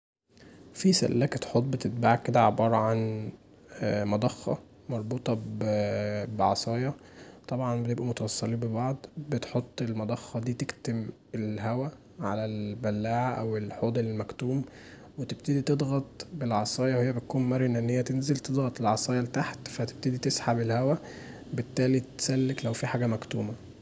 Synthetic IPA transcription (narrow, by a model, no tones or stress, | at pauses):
fisæ̰lːæːkt̪ħot̪̬̚ˤːbet̪et̪̚baʕked̪æʕebɑːɾˤɑʕan | mɑd̪ˤɑxːɑ̰ | mɑɾˤbuːt̪ˤɑ | beʕɑsˤɑːjɑt̪ˤɑbʕɑnbet̪ebʔæmot̪æwɑsˤːɑliːmbebɑʕd̪ˤbet̪ħot̪ˤːelmɑd̪ˤɑxːɑd̪iːt̪ekt̪em | elɦæwæ | ʕa̰lælbælːaːʕaʔæwelħoːd̪ˤelelmækt̪uːm | wet̪eb̚t̪ed̪it̪ed̪ɣɑt̪ˤbelʕɑsˤɑːjɑwhejːæbet̪̚kuːmmæɾenæʔnːejːæt̪enzelt̪ed̪ˤɣɑt̪ˤelʕɑsˤɑːjɑlt̪aħt̪fæt̪e̥b̚t̪ed̪it̪esħabelhæwæ | bet̪ːæːlit̪sælːeklæwfiħaːɡæmækt̪uːmæ